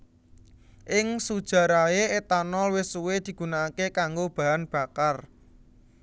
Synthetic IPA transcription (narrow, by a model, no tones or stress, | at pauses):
ʔɪŋsud̥ʒ̥ä̤ɾaeet̪anɔlwɪsuwed̪̥i̤ɡ̥unaːkekaŋɡob̥a̤anb̥ä̤kar